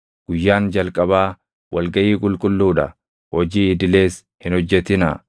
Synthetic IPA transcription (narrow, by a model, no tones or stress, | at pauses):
ɡ̥ʊjːaːnd͡ʒɐlkʼɐbaː | wɐlɡɐʔiːkʼʊlkʼʊlːuːᶑɐ | hɔd͡ʒiːɪd̪ɪle̞ːs | hɪnhɔd͡ʒːɛt̪ɪnɐ̰